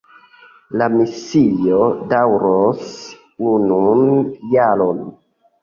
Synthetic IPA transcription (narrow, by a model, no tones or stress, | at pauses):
lamisijodawɾos | ununjaɾon